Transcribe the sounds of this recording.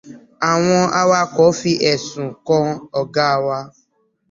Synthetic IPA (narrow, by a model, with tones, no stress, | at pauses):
a˨w̃ɔ̃˧a˦wa˦kɔ˨˦fi˦ʔɛ˨sũ˨kɔ̃˦ɔ˧ɡa˦˧wa˧